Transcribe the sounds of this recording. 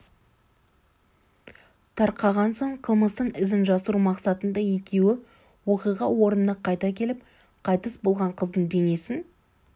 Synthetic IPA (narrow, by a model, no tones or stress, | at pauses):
t̪ʰɑɾqɑʁɑnso̞ɴqʰəlˠməst̪əɴɪzɪnʒɑsəɾumɑqsɑt̪ənd̪ɑje̞kʲe̞wɪ | wo̞qijʁɑwo̞ɾənnəqʰɑjt̪ɑkʲʰe̞lɪp̚ | qʰɑjt̪əsbo̞lˠʁɑɴqʰəzd̪əɴd̪e̞ne̞sɪn